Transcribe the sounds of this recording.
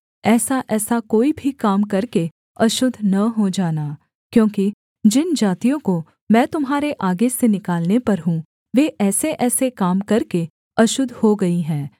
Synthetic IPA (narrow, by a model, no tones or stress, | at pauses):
ɛːsaʔɛːsakoːibʱikaːmkɐɾke | ɐʃʊd̪ʱːnɐɦod͡ʒaːnaː | kjõːki | d͡ʒɪnd͡ʒaːt̪ijõko | mɛ̃ːt̪ʊmɦaːɾeʔaːɡesenɪkaːlnepɐɾɦũː | ʋeːʔɛːseʔɛːsekaːmkɐɾke | ɐʃʊd̪ʱhoɡɐiɦɛ̃ː